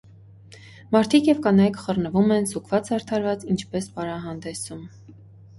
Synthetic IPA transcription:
mɑɾt̪ʰikjɛvkɑnɑjkχərnəvumɛnzukʰv̥ɑt͡shɑɾt̪ʰɑɾvɑt͡sint͡ʃʰpɛspɑɾɑɦɑnd̪ɛsum

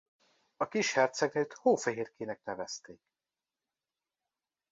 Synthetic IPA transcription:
ɒkiʃhɛrt̪sɛɡnøːt̪hoːfɛɦeːrkeːnɛknɛvɛst̪eːk

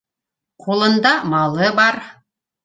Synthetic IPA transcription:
qʰulˠɤ̆nd̪ɑmɑlˠɤbɑɾ

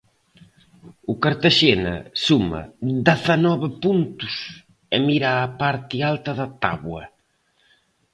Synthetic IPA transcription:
ʊkaɾt̪aʃenɐ̰sumɐ̰d̪ɛθɐnɔβɪpunt̪us | emiɾaːpaɾt̪ɪalt̪ɐðɐt̪a̰βwɐ

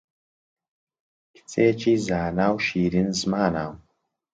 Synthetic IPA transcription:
kʰt͡sʼeːt͡ʃʰʼiːzaːnaːwʃiːɾinzmaːnaːw

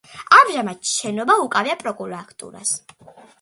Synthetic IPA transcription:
amʒamad̪̚ʃɛnɔbaukʼaviapʼɾɔkʼuɾakʰt̪ʼṵɾa̰s

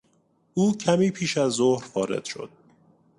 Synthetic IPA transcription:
ʔuːcʰæmiːpʰiːʃæzːohɾfɒːɾḛd̪̥ʃo̰d̪̥̚

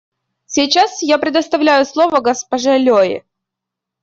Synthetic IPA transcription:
sʲɪjt͡ɕasjapɾʲɪd̪əst̪ɐvlʲæjʊslˠovəɡəspɐʐɛlʲoɪ̰

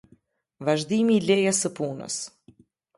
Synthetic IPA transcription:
vaʒd̪imiːlɛjasəpunə̰s

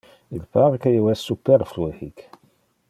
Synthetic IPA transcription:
ilpaʁkæjwæsːupːɛɾflihik

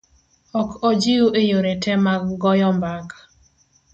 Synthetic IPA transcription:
ɔkʰɔd͡ʒiuʔejoɾetʰɛmaɡɔjɔmbaka

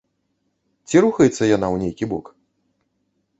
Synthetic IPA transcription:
t͡sʲiɾuxɐjɛt̪sːɐjanawnʲejkʲibɔk

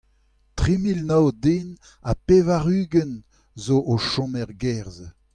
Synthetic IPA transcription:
tʁimilnawdeːn | apevaʁyːɡən | zoʔoʃɔ̃mɛʁɡɛʁz

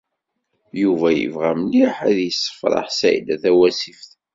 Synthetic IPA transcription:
juvæjə̰vʁæmniħæðjəsːə̥fɾˤɑ̰ħsæ̰jlæθæwæsifθ

